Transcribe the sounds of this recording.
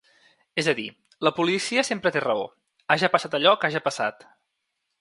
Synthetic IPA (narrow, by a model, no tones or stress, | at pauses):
ezəðḭ | ləpulisiəsempɾət̪erəo̰ | aʒəpəsat̪əʎɔkaʒəpəsa̰t̪